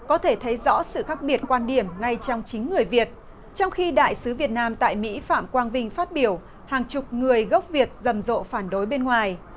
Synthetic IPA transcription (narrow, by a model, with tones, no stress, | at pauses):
kɔ˨˦t̪ʰe˧˩t̪ʰə˨˦jzɔ̰˧˥sɨ̰˧˨xaː˦˥k̚ɓi˨˩ət̚kwaː˧nɗi˧˩əmŋa˧jt͡ɕɔ˧wŋ͡mt͡ɕï˨˦ŋ̟ːɨ˨˩əjvi˨˩ət̚ | t͡ɕɔ˧wŋ͡mxi˧ɗa̰ː˧˨jsɨ˨˦vi˨˩ət̚naː˧mt̪a̰ː˧˨jmḭ˧˥fa̰ː˧˨mkwaː˧nvï˧ŋ̟faː˦˥t̚ɓi˧˩əw | haː˨˩ŋt͡ɕʊ˨˩k͡p̚ŋɨ˨˩əjɣə˦˥wk͡p̚vi˨˩ət̚zə˨˩mzo̰˧˨faː˧˩nɗo˨˦jɓe˧nŋwaː˨˩j